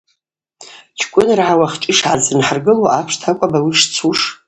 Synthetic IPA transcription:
t͡ʃʰkʷʼʊnrʕawaχt͡ʃʼiʂʕad͡zɨnħarɡɨloʔapʰʂtʰakʷʼabawiʂt͡sʰuʂ

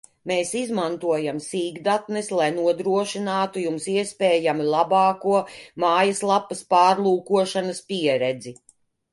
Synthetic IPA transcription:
meːsizmant̪uɔjamsiːɡd̪at̪nɛslˠajnuɔd̪ɾuɔʃinaːt̪ujumsiɛspɛːjamulˠabɑːkuɔmaːjɐslˠapːɐspaːɾlˠuːkuɔʃanɐspiɛɾɛd̪zi

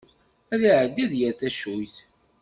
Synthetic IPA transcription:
æðiʕəd̪ːiðjəɾθæʃujθ

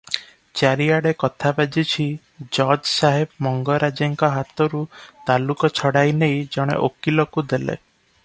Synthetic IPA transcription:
t͡ʃaɾiaɽekɔt̪ʰabad͡ʒit͡ʃʰi | d͡ʒɔd͡ʒsaɦebmɔŋɡɔɾad͡ʒaŋkɔɦat̪ɔɾut̪alukɔt͡ʃʰɔɽajnejd͡ʒɔɽ̃ḛʔokilɔkud̪elḛ

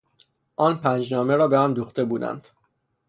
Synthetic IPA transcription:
ʔɒːnpʰænd͡ʒnɒːme̞ɾɒːbehæmd̪uxt̪e̞buːd̪æ̰nd̪̥

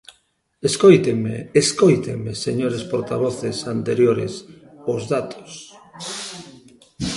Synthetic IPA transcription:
eskojt̪emeeskojt̪emeseɲoɾespoɾt̪aβ̞oθesant̪eɾjoɾḛsozðat̪ʰo̥s

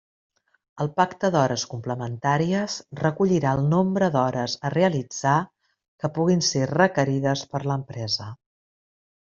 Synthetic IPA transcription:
əlˠpakt̪əðɔɾəskumpləmənt̪aɾiəsrəkuʎiɾaəlˠnombɾəðɔɾəzəreəlid͡z̥a | kəpuɣinserəkəɾiðəspəɾləmpɾɛzə

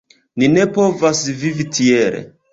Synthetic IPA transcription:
nine̞po̞vasvivitʰieɾḛ

